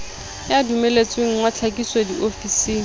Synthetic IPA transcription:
jadumelet͡sʼweŋ̩wat͡ɬʰakiswadiʔofisiːŋ̩

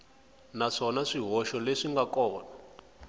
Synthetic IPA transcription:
naʂɔnaʂiɦɔʃɔleʂiŋɡakɔːna

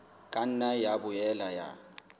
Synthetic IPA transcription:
kʼan̩najabʊjɛlaja̰

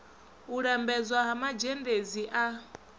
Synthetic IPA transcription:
uɺɛmbɛzwaɦamad͡ʒɛndeziʔa

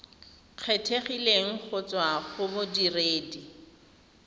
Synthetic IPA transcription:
q͡χʰetʰeχileŋ̩k͡xʊt͡swaχʊbʊdireːdi

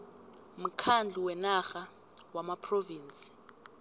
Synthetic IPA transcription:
m̩kʰand͡ɮʱuwɛnaxa | wamapʰroviːnt͡sʼi̥

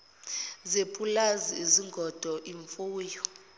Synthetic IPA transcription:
zepʰʼulaziiziŋɡʱɔd̥ʱɔʔiɱfuːjɔ

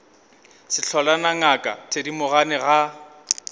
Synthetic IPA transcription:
sɪɬʰɔlanaŋakʼatʰedimʊɣanɪɣa

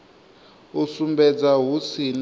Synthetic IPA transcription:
usumbɛd͡zaɦusin

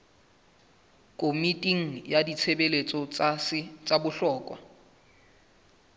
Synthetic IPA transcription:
kʼomitʼiŋ̩jadit͡sʰebelet͡sʼɔsɪt͡sʼabʊɬɔːkʼwa̰

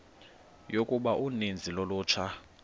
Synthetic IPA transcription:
jokʼuɓaʔunind͡zʱiloluːt͡ʃʰa

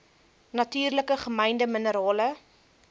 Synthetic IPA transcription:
nɐtyːrləkəχəmɛjndəmənəɾɑːlə

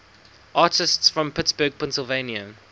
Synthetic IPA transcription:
ʔɑːˑtɪstsfɹə̃mpʰɪtsb̥əːɡ̚pʰɛ̃nsɪlˠvẽɪ̃njə

